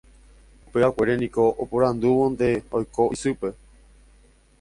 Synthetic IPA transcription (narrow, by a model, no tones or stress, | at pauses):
upeakʷe̞ɾenĩkoʔopoɾãnd̪uʋond̪e̞ojkoʔisɨpe̞